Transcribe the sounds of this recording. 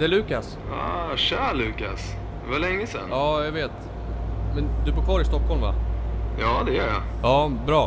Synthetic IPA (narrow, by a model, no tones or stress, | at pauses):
d̪ɛæɭʉ̟ːkas | aɕæːɭʉ̟ːkas | valɛŋːəsɛ̰njɑːjaɡveːt̪ | mɛnd̪ɵbuːɾkʰvɑːɾɪst̪ɔkhɔlmva̰jɑːd̪ɛjœːɾja̰ɑːbɾɑː